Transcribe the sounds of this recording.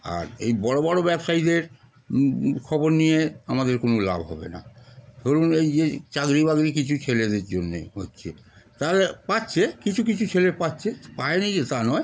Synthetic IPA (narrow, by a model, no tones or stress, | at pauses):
a̰ɾḛjbɔɽobɔɽobɛbʃaid̪eɾ | kʰɔboɾnijeamad̪eɾkonola̰bʱɦɔ̰bḛna̰t̪oɾunejd͡ʑet͡ɕaɡɾiβaɡɾikit͡ɕʰut͡ɕʰeled̪eɾd͡ʑonːḛɦotːɕʰe | t̪alepatːɕʰekit͡ɕʰukit͡ɕʰut͡ɕʰelepatːt͡ɕʰepaenid͡ʑet̪anɔe